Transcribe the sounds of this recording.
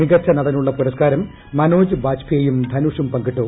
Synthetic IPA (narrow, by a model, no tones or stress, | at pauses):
miɡɐt͡ɕːɐnɐðɐnuɭːɐpuɾɐskaːɾɐmː | ɐnoːd͡ʑɨbaːt͡ɕpʰijɐjumd̪ʱɐnuʂumpɐŋɡiʈːoː